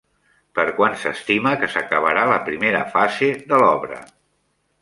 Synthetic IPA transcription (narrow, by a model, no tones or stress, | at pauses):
pəɾkwansəst̪iməkəsəkəβ̞əɾaləpɾimeɾəfazeðəlɔβɾə̰